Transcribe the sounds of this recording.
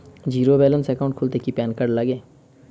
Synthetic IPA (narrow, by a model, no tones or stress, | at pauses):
d͡ʒiːɾobɛːlənsɛkaʊ̃ɳʈkʰʊlt̪ekipɛːnkəɽləɡẽː